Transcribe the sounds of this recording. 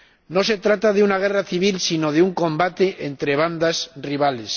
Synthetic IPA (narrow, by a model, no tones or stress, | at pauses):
no̞se̞t̪ɾat̪aðeunaɣ̞e̞raθiβ̞ilsino̞ðeuŋkõ̞mbat̪e̞ʔent̪ɾe̞β̞and̪asriβ̞ale̞s